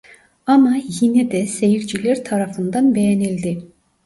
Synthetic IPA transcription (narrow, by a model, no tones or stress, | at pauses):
ɑmɑjined̪ɛsejiɾd͡ʒileɾt̪ʰɑɾɑfɯnd̪ɑnbejenild̪i